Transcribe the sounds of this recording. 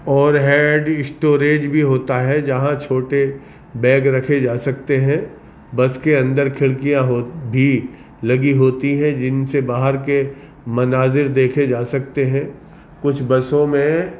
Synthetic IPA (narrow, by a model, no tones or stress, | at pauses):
ɔːɾɦɛːɖɪsʈoːɾeːd͡ʒbʱiɦoːt̪aɦɛd͡ʒɐɦãt͡ʃʰoːʈe | bɛ̃ːɡɾɐkʰed͡ʒaːsɐkt̪eɦɛ̃ | bɐskeɐ̃nd̪əɾkʰɪɭkijãɦobʱi | lɐɡiɦoːt̪iɦɛ̃d͡ʒɪnsebaːɦəɾke | mɐnaːzɪɾd̪eːkʰed͡ʒaːsɐk̚t̪eɦɛ̃ː | kʊt͡ʃʰbɐsõmẽ